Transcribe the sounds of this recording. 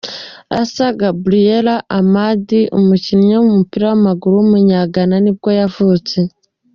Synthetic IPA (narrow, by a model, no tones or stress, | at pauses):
a̰saɡabɾijeɾaʔamadiʔumucinɲamumupiːɾawamaɡuɾuumuɲaɡananib̚ɡo̞javuːt͡se̞